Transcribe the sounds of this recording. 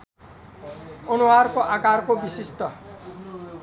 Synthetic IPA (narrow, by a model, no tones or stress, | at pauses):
ʌnuwarkoʔakarkobisist̪ʌ